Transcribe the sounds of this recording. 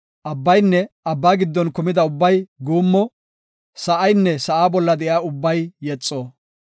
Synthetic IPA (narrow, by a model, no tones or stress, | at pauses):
ʔɐbːɐjnːɛɐbːaːɡɪd̪ːɔnkʊmɪd̪ɐʊbːɐjɡuːmːɔ | sɐʔɐjnːɛsɐʔaːbɔlːɐd̪ɛʔjaːʊbːɐjːɛt͡sʼːoː